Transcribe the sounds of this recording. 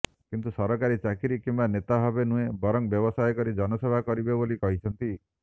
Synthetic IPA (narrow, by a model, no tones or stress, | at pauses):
kint̪usɔɾɔkaɾit͡ʃakiɾikimbanet̪abʱabenũebɔɾɔŋbjɔbɔsajkɔɾid͡ʒɔnɔsebʱakɔɾibebolikɔɦit͡ʃʰɔnt̪i